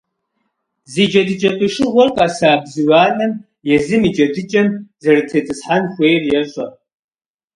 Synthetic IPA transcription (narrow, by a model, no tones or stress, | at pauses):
zid͡ʒɐdɨt͡ʃʼɐpʼɨʂɨʁʷɔrqʼɑsaːbzɨwaːnɐm | jɛzɨmiːd͡ʒɐdɨt͡ʃʼɐmzɐrɨtʰɐt͡sʼɨsħanxʷejrjɛɕʷʼɐ